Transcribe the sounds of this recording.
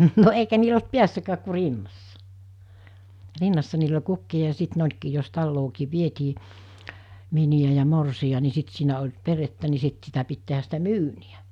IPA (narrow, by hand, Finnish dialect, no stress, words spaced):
no eikæ niːl olt piæsːækæːk ku rinːɑsːɑ rinːɑsːɑ niːl olʲ kukːiɑ jɑ sit ne olkiː jos tɑlːoːkiː ʋietiː miniæ jɑ morsiɑ ni sit siːnæ olʲ peretːæ ni sit sitæ pit tehæs sitæ myːniæ